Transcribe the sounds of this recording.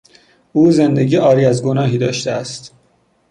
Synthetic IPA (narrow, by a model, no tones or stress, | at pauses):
ʔuːze̞nd̪eɟiːʔɒːɾiːæzɡonɒːɦiːd̪ɒːʃt̪eæst̪